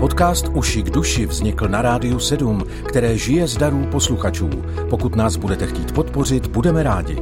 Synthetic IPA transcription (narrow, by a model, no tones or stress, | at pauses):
po̞t̪kaːst̪uʃɪɡduʃɪvzɲɪkl̩naɾaːdɪjusɛdum | kt̪ɛɾɛːʒɪjɛzdaɾuːpo̞sluxat͡ʃṵː | po̞kut̪naːzbudɛt̪ɛxciːt̪po̞t̪po̞rɪt̪budɛmɛɾaːɟɪ̰